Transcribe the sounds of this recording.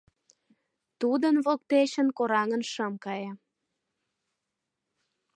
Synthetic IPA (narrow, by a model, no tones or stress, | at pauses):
t̪ud̪ənβok̚t̪eɕənkoɾɑŋə̆nʃəmkɑjɑ